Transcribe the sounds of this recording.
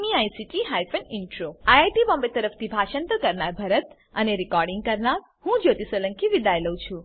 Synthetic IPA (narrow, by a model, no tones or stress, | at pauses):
miajsiʈiɦajpʰəniɳʈɾoajajʈibɔ̃mbet̪əɾəpʰt̪ʰibʱaʃənt̪əkəɾnaɾbʱəɾət̪ | əneɾikɔɾɖĩŋɡ̚kəɾnaɾ | hũd͡ʒot̪isələŋkiʋid̪ajləwt͡ʃʰũ